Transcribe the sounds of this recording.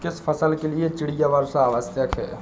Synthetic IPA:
kɪspʰəsəlkeliet͡ʃɪɽijaʋəɾsaːʋəsjəkɦɛ̰ː

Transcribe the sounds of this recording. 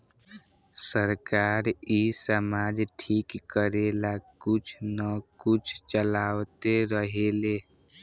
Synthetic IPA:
səɾkaːɾisəmaːd͡ʒʈʰiːkːəɾeːlakʊt͡ʃʰnəkʊt͡ʃʰt͡ʃəlaːwt̪eɾəɦeːle

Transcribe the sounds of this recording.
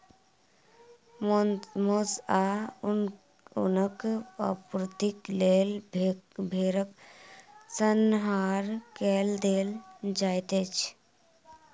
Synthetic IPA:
mmosa | ʊ̰nəkəpɾt̪iklel | bʱeːɾək | sənɦaːɾkeld̪eːld͡ʒaːjt̪et͡ʃʰ

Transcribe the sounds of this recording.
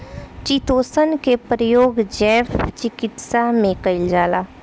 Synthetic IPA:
t͡ʃit̪oːsənkepɾəjoːɡd͡ʒɛːft͡ʃɪkɪt̪samẽkɐɪld͡ʒaːlaː

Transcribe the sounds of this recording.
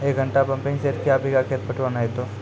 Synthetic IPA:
eːk̚ɡʱə̃ɳʈapɐ̃mpẽŋseɾkiaːbʱikakʰet̪̚pɐʈʰʋanaɦet̪oː

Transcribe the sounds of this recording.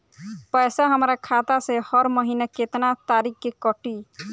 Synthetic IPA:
pʌjsaɦəmɾakʰat̪asẽhʌɾmʌɦinaket̪nat̪aɾikkekɔʈi

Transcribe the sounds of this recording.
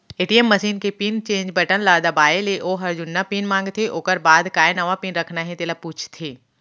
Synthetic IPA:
eːʈiːemːɐsiːnkepiːnt͡ʃẽːɲd͡ʒbɐʈənlaːd̪abaːeleʔoːɦɐɾd͡ʒʊnːapiːnmãːŋɡt̪ʰeʔoːkəɾbaːd̪kaːenɐʋapiːnɾɐkʰnaɦɛ̃t̪eːlapuːt͡ʃʰt̪ʰeː

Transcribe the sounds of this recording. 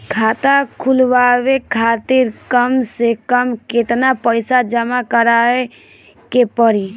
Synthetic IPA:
kʰat̪akʰulʋaʋekʰat̪iɾkəmsekəmket̪napəɪsad͡ʒəmakəɾae | kepəɾi

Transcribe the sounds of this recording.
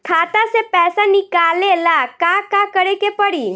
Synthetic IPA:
kʰaːt̪asepɛːsanikaːlelakakakəɾekepəɽi

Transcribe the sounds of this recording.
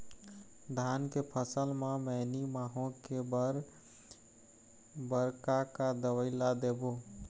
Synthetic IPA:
d̪ʱankepʰəsəlmemɛɪnimaɦõkebəɾ | bəɾkakad̪əwəɪlad̪ebo

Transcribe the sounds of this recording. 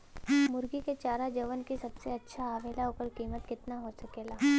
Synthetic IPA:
mʊɾɡiket͡ʃaːɾad͡ʒɐʋənkisɐbseɐtːʃʰaaːʋeːlaʊkəɾkiːmət̪̚kɪt̪naɦoːsɐkeːlaː

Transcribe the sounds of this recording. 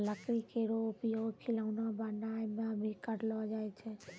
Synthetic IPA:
ləkɾikeɾopijokʰiləʋnabanajmẽəbʱikəɾlʋad͡ʒaːjt͡ʃʰe

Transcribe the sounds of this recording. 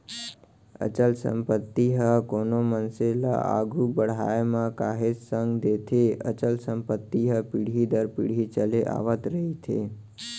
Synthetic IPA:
ə̰t͡ʃəlsə̰mpət̪ːiɦəkonomənsela̰ʔa̰ɡʱubəɽ̤a̰emãkaɦesəŋɡd̪et̪ʰeə̰t͡ʃəlsəmpət̪ːiɦəpiɽ̤id̪əɾpḭɽ̤ʱit͡ʃəleʔa̰ʋət̪ɾəɦit̪ʰḛ

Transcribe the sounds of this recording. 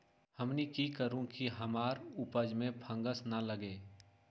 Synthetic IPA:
həmnikikəɾũkiɦəmaːɾʊpəd͡ʒmẽpʰə̃ŋɡəsnələɡeː

